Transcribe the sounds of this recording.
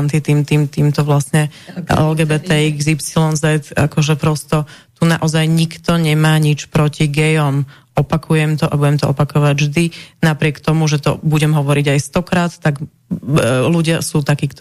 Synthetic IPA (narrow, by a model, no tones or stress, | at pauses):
nt̪it̪iːmt̪iːmt̪iːmt̪ɔʋlasɲɛɛ̰lɡɛːbɛt̪ɛiɡzipsilɔnzɛt̪a̰kɔʒɛpɾɔst̪ɔt̪unaʔɔzajɲikt̪ɔɲɛmaːɲit͡ʃpɾɔciɡɛjɔm | ɔpakʰujɛmt̪ɔʔabuɟɛmt̪ɔʔɔpakɔʋaɟʒd̪inapɾɪɛkt̪ɔmuʒɛt̪ɔbuɟɛmɦɔʋɔɾiɟajst̪ɔkɾaːt̪ːaɡ | luɟɪasuːt̪akiːkt̪